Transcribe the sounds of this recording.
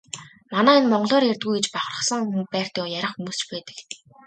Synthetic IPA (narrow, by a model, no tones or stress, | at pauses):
manæːinmɔɴɢɞ̆ɮɔːɾjert̪̚ɡujɡet͡ɕpaχə̆rə̥̆χsə̆ŋumpæːr̥t̪ə̆kjæɾʲə̆χxumuːst͡ɕpæːt̪ə̆k